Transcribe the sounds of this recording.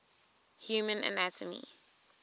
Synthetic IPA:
hjuːmə̃nə̰nætʰəmḭ

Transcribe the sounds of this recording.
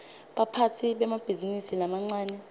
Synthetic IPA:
ɓapʰatʰiɓɛmab̥ʱizinisilamaŋ͡ǀaːnɛ

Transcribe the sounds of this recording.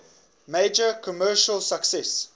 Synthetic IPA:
meɪd͡ʒəkʰɔmɜːʃəlˠsəksɛs

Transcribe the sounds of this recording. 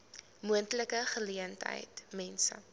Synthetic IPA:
muəntləkəχəliəntɦə̰jtmɛnsə̰

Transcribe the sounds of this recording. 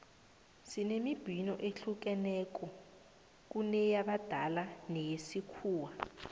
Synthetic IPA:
sinemib̥ʱinɔʔeɬuk̬ɛnɛk̬ʼɔ | k̬unɛjaɓad̥ʱalanejesikʰuːwa

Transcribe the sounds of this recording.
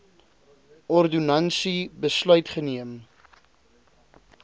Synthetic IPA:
ɔrdunɐnsibəslœɥtχəniəm

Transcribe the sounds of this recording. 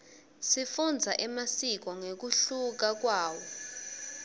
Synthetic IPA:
sifund͡zʱaʔɛmasik̬ɔŋek̬uɬuk̬ak̬waːwɔ

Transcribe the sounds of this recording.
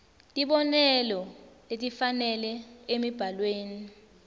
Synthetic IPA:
tʼiɓɔnɛlɔ | etʼifanɛlɛemib̥ʱalweːni

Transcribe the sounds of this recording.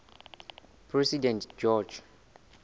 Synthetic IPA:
pʰɹɛsidɛ̃ntd͡ʒɔd͡ʒ

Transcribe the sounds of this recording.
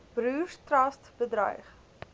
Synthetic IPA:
b̥ɾʉːstrɐstb̥ədɾɐ̰jχ

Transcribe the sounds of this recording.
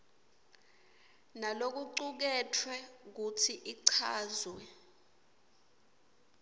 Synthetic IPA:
nalok̬uǀuk̬ɛtʰwɛk̬utʰiʔiǀʰaːzwɛ

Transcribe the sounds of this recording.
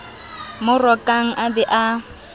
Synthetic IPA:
mʊrɔkʼaŋ̩ʔabɛʔa

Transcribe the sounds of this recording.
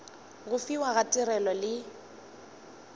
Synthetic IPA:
ɣʊfiwaɣatʼɪɾɛlɔlɪ

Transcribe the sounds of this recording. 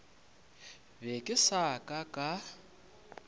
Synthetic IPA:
βɛkʼɪsakʼakʼa

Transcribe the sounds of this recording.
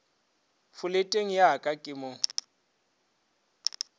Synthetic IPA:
fʊletʼeŋ̩jaakʼakʼɪmʊ

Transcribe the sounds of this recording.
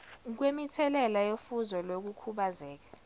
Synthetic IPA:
k̬wemitʰɛlɛlajofuzɔlok̬ukʰuɓazɛːk̬ḁ

